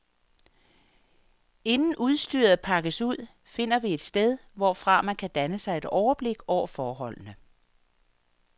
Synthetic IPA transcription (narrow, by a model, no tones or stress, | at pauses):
e̝nn̩ʔuð̞ˠsd̥y̰ːɐð̩ˠpʰɑ̈ɡ̥əsuð̞̰ˠ | fe̝n̰ɐʋie̝d̥sd̥eð̞ˠʋɒfʁɑ̈mænkʰæd̥ænəsɑ̈ɪe̝d̥ɒʊɐb̥le̝ɡ̥ɒʊ̰ɐfɒːɦɒ̽l̰nə